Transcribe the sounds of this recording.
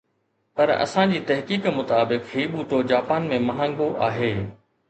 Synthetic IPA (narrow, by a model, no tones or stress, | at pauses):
pɐɾɐ̰sãd͡ʑiːt̪ɐɦkiːkmʊt̪aːbɪkɦiːɓuːʈod͡ʑaːpaːnmẽmɐɦãːŋ̆ɡoʔaːɦeː